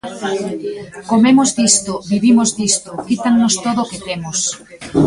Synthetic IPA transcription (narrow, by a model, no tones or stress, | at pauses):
komemʊzd̪ist̪oβiβimozd̪ist̪ʊkit̪aŋnost̪oðʊkɪt̪emʊs